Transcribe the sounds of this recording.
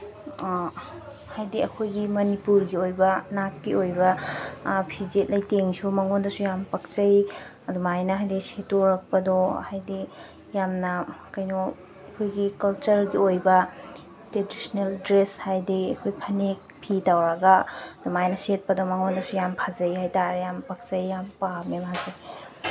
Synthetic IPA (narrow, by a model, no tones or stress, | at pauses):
hajdiɐkʰojɡimɐnipuɾɡiojbɐnat̚kiojbɐ | pʰizet̚lɐjteŋsumɐŋondɐsujampɐk̚t͡ʃɐjɐdumajnɐɦajdisetoɾɐk̚pɐdɔhajdi | jamnɐkɐjno | ɐkʰojɡikɐlt͡ʃɐɾɡiojbɐ | tɾedisneldɾeshajdiɐkʰojpʰɐnek̚pʰitawɾɐɡaɐd̪̥umajnɐset̚pɐdɔmɐŋondɐsujampʰazɐjɦajtaɾjampɐk̚t͡ʃɐjːampamemhazɐj